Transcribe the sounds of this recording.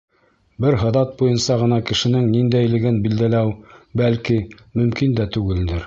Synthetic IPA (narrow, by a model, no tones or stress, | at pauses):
bɘɾɦɤ̆ðɑt̪̚bujɤnsɑʁɤ̆nɑkɘ̆ʃɘ̆nɘŋnind̪æjlɘ̆ɡɘnbild̪ælæwbælki | mɵ̆mkind̪æt̪ʉɡɘld̪ɘɾ